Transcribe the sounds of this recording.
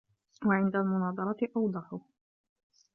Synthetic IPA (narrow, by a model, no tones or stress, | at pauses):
waʕɪnd̪almʊnɑːd̪ˤɑɾˤɑt̪ɪʔɑwd̪ˤɑħʊ